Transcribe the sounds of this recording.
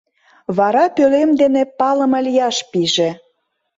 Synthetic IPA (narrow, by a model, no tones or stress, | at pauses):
βɑɾɑpølemd̪enepɑlə̆məlijɑʃpiʒĕ